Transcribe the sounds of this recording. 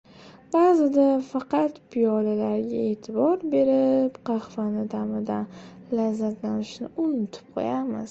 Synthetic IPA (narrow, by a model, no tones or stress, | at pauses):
b̥aːzɪd̪afɑqɑt̪pʰijɒlalaɾɡʲae̞t̪ʰɪbɒɾbe̞ɾɪpqʰɑχvanɪd̪amɪd̪anlazːat̪lanɪʃnɪʔʊnʊt̪ʰɪ̥p̚qʰo̰jamɪz̥